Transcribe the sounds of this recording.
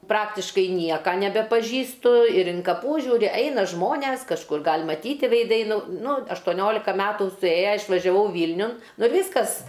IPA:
ˈprɑːktʲɪʃkɐɪ ˈnʲiɛkɐ nʲɛbʲɛpɐˈʒʲiːstʊ ɪr ɪn kɐˈpuː ˈʒʲuːrʲɪ ˈɛɪnɐ ˈʒmoːnʲɛs kɐʃˈkʊr ˈɡɐlʲ mɐˈtʲiːtʲɪ ʋʲɛɪˈdɐɪ ˈnʊ ˈnʊ ɐʃtoːˈnʲoːlʲɪkɐ ˈmʲæːtuː sʊˈeːjɛ ɪʃʋɐʒʲɛˈʋɐʊ ˈʋʲiːlʲnʲʊn ˈnʊ ɪr ˈʋʲiːskɐs

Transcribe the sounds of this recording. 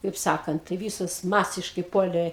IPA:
kɐɪp ˈsɑːkɐnt tɐɪ ˈʋʲiːsoːs ˈmɑːsʲɪʃkɐɪ ˈpuɔlʲeː

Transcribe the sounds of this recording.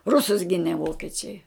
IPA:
ˈrʊsʊs ˈɡʲɪnʲɛ ˈʋoːkʲiɛt͡ʃʲɛɪ

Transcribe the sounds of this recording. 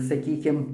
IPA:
sɐˈkʲiːkʲɪm

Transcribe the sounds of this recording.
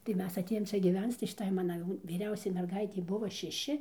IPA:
tɐɪ ˈmʲɛs ɐˈtʲeːjoːm ˈt͡ʃʲɛ ɡʲiːˈʋʲɛnt͡s tɐɪ ʃʲɪˈtɐɪ ˈmɑːnɐ jɛʊ ʋʲiːˈrʲɛʊsʲɛɪ mʲɛrˈɡɐɪtʲɛɪ ˈbʊʋoː ʃʲɛˈʃʲɪ

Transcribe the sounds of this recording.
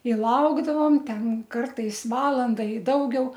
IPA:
ɪ ˈlˠɐʊɡdɐʋoːm ˈtʲɛn ˈkɐrtɐɪs ˈʋɑːlˠɐndɐ ɪ ˈdɐʊɡʲɛʊ

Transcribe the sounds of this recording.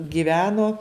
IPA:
ɡʲɪˈʋʲæːnoː

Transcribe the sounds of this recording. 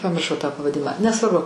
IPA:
pɐmʲɪrˈʃɐʊ tɑː pɐʋɐˈdʲɪmɑː nʲɛsʋɐrˈbʊ

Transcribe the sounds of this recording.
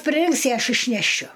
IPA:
pʲrʲɪˈrʲɪŋks ɪ ˈɐʃ ɪʃʲnʲɛˈʃʲʊ

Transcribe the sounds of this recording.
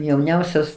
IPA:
jɛʊˈnʲɛʊsʲoːs

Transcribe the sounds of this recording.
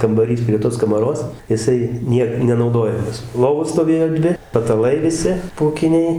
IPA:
kɐmbɐˈrʲiːs pʲrʲiɛ ˈtoːs kɐmɐˈroːs jɪˈsɐɪ ˈnʲiɛk nʲɛnɐʊˈdoːjɛmɐs ˈlˠoːʋoːs stoːˈʋʲeːjoː ˈdʲʋʲɪ pɐtɐˈlˠɐɪ ʋʲɪˈsʲɪ puːˈkʲɪnʲɛɪ

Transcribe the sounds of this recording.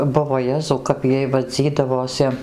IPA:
ˈbʊʋoː ˈjæːzɐʊ kɐp ˈjiɛj ʋɐˈd͡zʲiːdɐʋoːsʲɪ

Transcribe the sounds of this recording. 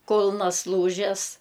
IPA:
ˈkʊlˠnɐs ˈlˠuːʒʲɛs

